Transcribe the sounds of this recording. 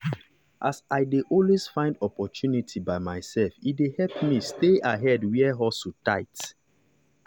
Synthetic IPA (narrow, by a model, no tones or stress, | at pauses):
ʔasaɪdeʔɔlwesfãɪ̃ndɔpɔtjunitʰibaɪmaɪsɛlfidehɛlpmisteaɦɛdwɛɛɦɔsutaɪt